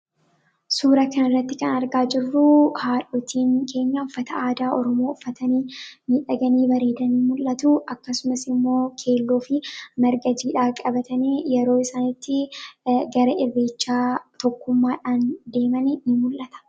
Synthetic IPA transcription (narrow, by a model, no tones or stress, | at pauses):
suːɾɐkɐnɪrːɐt̪ːɪkɐnɐɾɡaːd͡ʒɪrːuhaːᶑoːt̪ʰiːŋkʰe̞ːɲːɐʊfːɐt̪ɐaːd̪aːʔɔɾɔmoːʊfːɐt̪ɐniːmɪᶑɐɡɐniːbɐɾeːd̪ɐnimʊlːɐt̪uʔɐkːɐsʊmɐsɪmːo̞ːkʰe̞ːlːoːfɪmɐɾɡɐd͡ʒiːᶑaːkʼɐbɐt̪ɐniːjɛɾo̞ːɪsaːnɪt̪ːɪ | ɡɐɾɐʔɪrːeːt͡ʃːaːt̪ɔkːʊmːaːᶑaːnd̪e̞ːmɐnɪnɪmʊlʔɐt̪ɐ̥